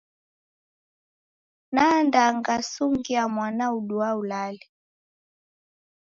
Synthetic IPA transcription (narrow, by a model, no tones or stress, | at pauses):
nandaŋɡasuŋɡiamwanauɗuaulali